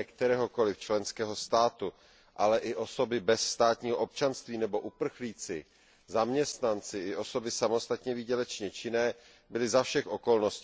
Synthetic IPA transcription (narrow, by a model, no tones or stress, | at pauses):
ɛkt̪ɛɾɛːɦoko̞lɪft͡ʃlɛnskɛːɦo̞st̪aːt̪u | ʔalɛʔɪʔo̞so̞bɪbɛsst̪aːt̪ɲiːɦoʔo̞p̚t͡ʃanst̪viːnɛbo̞ʔupr̩xliːt͡sɪ | zamɲɛst̪nant͡sɪɪʔo̞so̞bɪsamo̞st̪at̪ɲɛvɪɟɛlɛt͡ʃɲɛt͡ʃɪnɛː | bɪlɪzafʃɛxʔo̞ko̞lno̞scː